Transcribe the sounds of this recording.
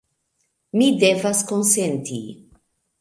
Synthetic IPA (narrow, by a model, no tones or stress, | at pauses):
mide̞vasko̞nse̞ntḭ